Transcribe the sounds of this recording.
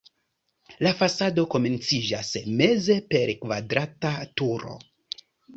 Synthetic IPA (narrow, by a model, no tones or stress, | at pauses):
lafasado̞ko̞me̞nt͡sid͡ʒasme̞ze̞pe̞ɾkvadɾatatuɾo̞̰